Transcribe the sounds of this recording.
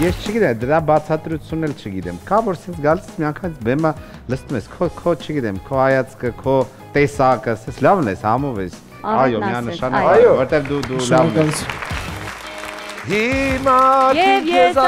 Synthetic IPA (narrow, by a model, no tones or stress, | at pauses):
jɛst͡ʃʰəɡit̪ɛmd̪əɾabat͡sʰat̪ɾut͡sʰjunːɛlt͡ʃʰəɡit̪ɛmkavɔɾsɛnt͡sʰɡalismiaŋkʰanit͡sʰbɛmə | ləst̪umɛskʰɔkʰɔt͡ʃʰəɡit̪ɛmkʰoajat͡skəkʰɔ | t̪ɛsakəsɛnt͡sʰlavnɛshamɔvɛs | ɑjomianəʃanjovɔɾt̪ɛvd̪ud̪ulavn | ɦimaiɛ